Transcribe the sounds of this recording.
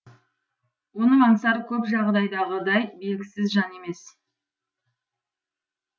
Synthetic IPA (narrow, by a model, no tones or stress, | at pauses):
wonəmɑɴsɑɾəkʲʰɵpʒɑʁd̪ɑjd̪ɑʁəd̪ɑjbe̞lɡʲɪsɪzʒɑne̞me̞s